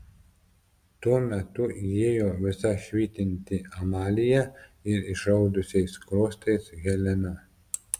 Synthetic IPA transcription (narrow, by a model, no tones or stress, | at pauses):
t̪uɔmʲɛt̪ʊijeːjoːʋʲɪsɐʃʲʋʲiːt̪ʲɪnʲt̪ʲɪɐmɑːlʲɪjɛɪɾɪʃɐʊd̪ʊsʲɛɪskɾoːst̪ɐɪsɣʲɛlʲɛnʲɐ